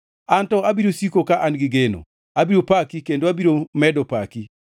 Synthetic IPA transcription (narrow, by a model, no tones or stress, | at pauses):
antɔabiɾosikokaʔanɡɪɡeno̰ | abiɾopakikendoabiɾomɛdɔpaki